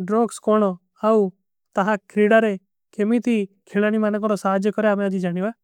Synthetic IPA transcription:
ɖɾoːɡskoːñoː | aːu | t̪əɦakʰɾiːɽaːɾe | kʰemit̪iː | kʰelaːñimaːnek̬ɔ̃ɾosaːd͡ʒkɔɾeamẽad͡ʒ̪id͡ʒaːɽ̃iaː

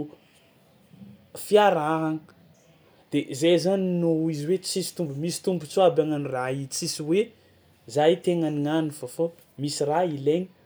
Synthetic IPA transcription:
fiaɾaɦaŋə | d̪̥ezezaninoiziwet͡sisi̥t̪umbmisi̥t̪umbut͡soabaŋaniraɦit͡sisiwe | zajt̪eŋaniŋanifofo | misiraileɲə

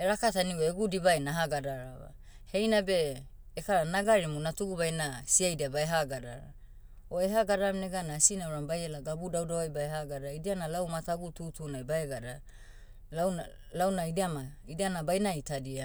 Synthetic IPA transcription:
eɾakataniweeɡudibaenaɦaɡadaɾawa̰ | he̞jnabe̞ː | kaɾanaɡaɾimunatuɡubajnasiajdiabaeɦaɡada̰ɾa̰ | oeɦaɡaɾamneɡanasinauɾambajelaɡabudawdawajbaeɦaɡadaidianalawmataɡututunajbaeɡada | lawa | lawnaidiamaidianabajnaitadia

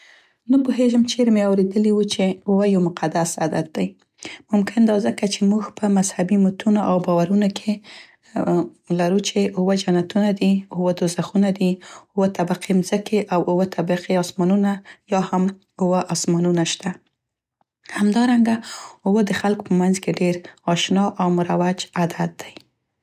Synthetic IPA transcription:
nəpoɦeʒəmt͡ʃeɾmeawɾed̪əliwut͡ʃeʊwəjawmʊqʰad̪asad̪at̪̚d̪aj | mʊmkɪnd̪ɑzəkat͡ʃemuɡpəmazhabimʊt̪ʰunoʔawbɑwaɾunokʰe | laɾut͡ʃeʊwəd͡ʒanat̪unad̪iʊwəd̪ozaxunad̪iʊwət̪abaqimzəkeʔawʊwət̪ʰabaqiɑsmɑnunajɑham | ʊwəʔɑsmɑnunaʃt̪a | hamd̪ɑɾaŋɡaʊwəd̪əxalko̥pəmanzkeɖeɾɑʃnɑʔawmʊɾawad͡ʒad̪at̪̚d̪aj

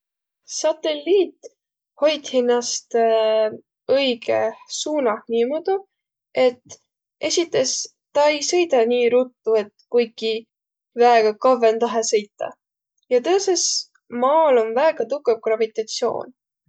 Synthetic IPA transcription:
sɑt̪e̞lːiːt̪ː | ho̞jt̪hinːɑst̪ | ɤjɡ̥ḛsuːnɑhniːmod̪̥u | e̞t̪ː | e̞sʲit̪ːˑe̞s | t̪ɑe̞jsɤ̞jt̪ɑniːɾut̪ːue̞t̪kujki | væeɡ̥ɑkɑvent̪ɑɦesɤ̞jt̪ːɑ̰ | jɑt̪ɤːse̞s | mɑːlo̞nvæːɡ̥ɑt̪ukːˑevɡ̥rɑvit̪ˑɑt̪sio̞̰ːn

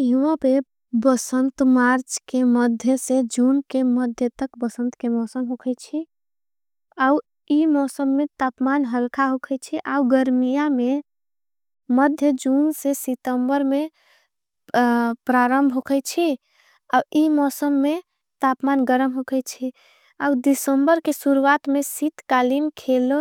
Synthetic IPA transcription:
ɦʋəpe | bəsənt̪maɾt͡ʃkeməd̪ʱjəsed͡ʒunkeməd̪ʱjət̪əkbəsənt̪kemɔsəmɦokʰɛt͡ʃʰi | au | imɔsəmːet̪apmanɦəlkʰaɦokʰɛt͡ʃʰiʔauɡəɾmijame | məd̪ʱjəd͡ʒunsesit̪əmbəɾme | pɾaɾəmbʱɦokʰɛjt͡ʃʰi | auimɔsəmːe | t̪apmanɡəɾəmɦokʰɛt͡ʃʰi | aud̪isəmbəɾkesuɾuwat̪mesit̪kalimkʰelo

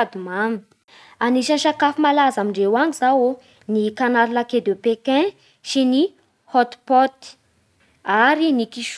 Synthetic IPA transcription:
d̪umami | aniʃanʃakafimalazamiɳɖ͡ʐewaŋizawo | nikanaɾilaked̪epekɛ̃ | ʃini | hɔt̪pɔt̪i̥ | aɾinikiʃ

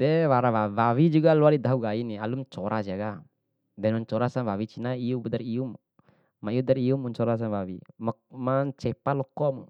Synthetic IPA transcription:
dɛwaɾawawawid͡ʒuɡaluadidaɦuɡainialumt͡ʃɔɾʔas̬iaɡa | dɛnuɲt͡ʃɔɾasanwawit͡ʃinaiubɔdaɾium | maiudaɾiumuɲt͡ʃɔɾas̬anwawḭmmant͡ʃɛpalɔkɔmu

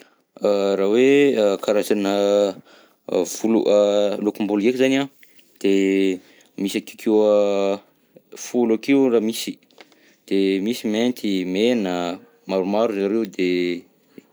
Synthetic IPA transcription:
ərawekʰaɾazanə | v̥ulṵʔalokumbulekizana | d̪̥e | misaki̥kʰewə | fulakeuramisi̥ | d̪̥emisiment̪ʰimenə | maɾumaɾuzaɾeud̪e

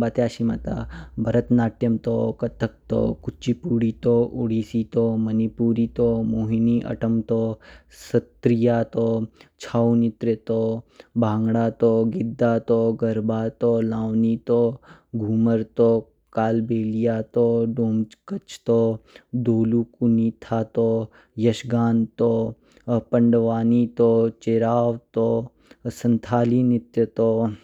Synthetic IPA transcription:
baːt̪eaːʃima̰t̪a̰bʱɐɾət̪naːʈjɐmt̪okɐt̪ʰək̚t̪o̰kut͡ʃipuːɽiːt̪oʔuɽiːsit̪omɐnipuːɾit̪omoːɦiniʔɐ̰ʈʰəmt̪o | sɐt̪ɾijaːt̪ot͡ʃʰawnit̪ɾet̪obʱãːŋɡɽat̪oɡid̪ːaːt̪oɡɐɾbʱat̪olaːwnit̪o | ɡʱuːməɾt̪o | kaːlbeːlijat̪oːɖoːmkət͡ʃʰt̪od̪oːlukunit̪ʰat̪o | jɐʃɡaːnt̪o | pəɳɖʋaːnit̪ot͡ʃeɾaːʋt̪o | sənt̪ʰaːlinɪt̪ɾət̪o

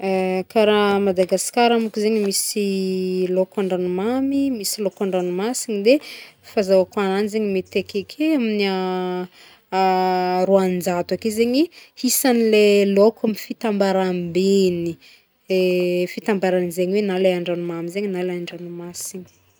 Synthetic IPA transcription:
kaɾamad̪aɡasi̥kaɾamukizeɲimisilokaɳɖ͡ʐanumamimisilokaɳɖ͡ʐanumasinid̪efazawakananizeɲimet̪ekekʰeamina | ɾuannd͡zat̪wakezeɲihisanilelokamifit̪ambaɾambeni | efit̪ambaɾanizeɲiwenaleaɳɖ͡ʐanumamizeɲinaleaɳɖ͡ʐanumasini̥

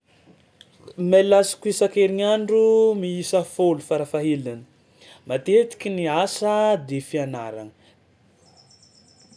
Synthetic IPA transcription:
melasi̥kuisakeɾinaɳɖ͡ʐumiisəfolufaɾafaɦilanə̥ | mat̪et̪i̥kʲiniasəd̪efiana̰ɾa̰ŋə

